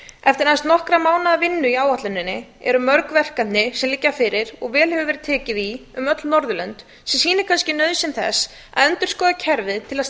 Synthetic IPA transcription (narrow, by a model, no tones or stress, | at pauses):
ɛft̪ɪɾnast̪nɔhkɾamaːwnaavɪnːʏiaːwaht̪lʏnːɪnːɪ | ɛ̰ɾʏmœɾkvɛr̥kanɪsɛmlɪcːafɪɾɪɾ̥ɔɣvɛːlhɛvʏvɛɾɪt̪ʰɛːcɪðiʏmœt̪lnɔɾðʏlœnt̪ | sɛmsiːnɪ̥kʰanscɪnœɥðsɪnθɛ̰s | a̰ðœnt̪ʏɾ̥skɔːðacʰɛɾvɪðt̪ʰɪlas